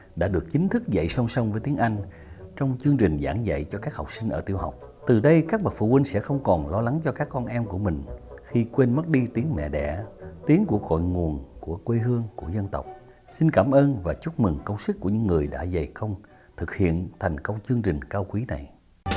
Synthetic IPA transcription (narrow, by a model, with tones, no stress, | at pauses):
ɗa̰ː˧˥ɗɨ˨˩ək̚t͡ɕï˨˦ŋt̪ʰɨ˦˥k̚zə̰˧˨jsə˧wŋ͡msə˧wŋ͡mvəː˨˦jt̪i˨˦əŋʔa˧jŋ̟ | t͡ɕɔ˧wŋ͡mt͡ɕɨ˧əŋt͡ɕï˨˩ŋ̟za̰ː˧˩ŋzə̰˧˨jt͡ɕɔ˧kaː˦˥k̚hɔ˨˩k͡p̚sï˧ŋ̟ʔəː˧˩t̪i˧əwɦa̰˨˩wk͡p̚ | t̪ɨ˨˩ɗə˧jkaː˦˥k̚ɓə˨˩t̚fṵ˧˥wi˧ŋ̟sɛ̰˧˥xə˧wŋ͡mkɔ˨˩nlɔ˧la˨˦ŋt͡ɕɔ˧kaː˦˥k̚ʔɔ˧nʔɛ˧mku˧˩əmï˨˩ŋ̟xi˧kwe˧nmə˦˥t̚ɗi˧t̪i˨˦əŋmɛ̰˧˨ɗɛ̰˧˩t̪i˨˦əŋku˧˩əkɣɔ̰˧˨jŋu˨˩ənku˧˩əkwe˧ɦɨ˧əŋku˧˩əzə˧nt̪ə˨˩wk͡p̚ | si˧nkaː˧˩mʔəː˧nvaː˨˩t͡ɕu˦˥t̚mɨ˨˩ŋkə˧wŋ͡msɨ˦˥k̚kːu˧˩əɲɨ̰˧˥ŋːɨ˨˩əjɗa̰ː˧˥zə˨˩jkə˧wŋ͡m | t̪ʰɨ˨˩k̚hḭ˧˨ənt̪ʰa˨˩jŋ̟kə˧wŋ͡mt͡ɕɨ˧əŋt͡ɕï˨˩ŋ̟kaː˧wkwi˨˦na̰˨˩j